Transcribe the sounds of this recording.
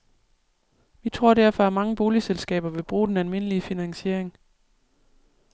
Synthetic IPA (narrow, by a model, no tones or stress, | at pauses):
ʋit͡sʰʁo̝ɐ̰ɾ̥æɐ̰fɒ̽æɐmɑ̈ŋəb̥o̝ːliselsɡ̥ɛ̰ːb̥ɐʋe̝b̥ʁuːd̥enælme̝n̰əliəfinæŋɕe̝ɐ̰eŋ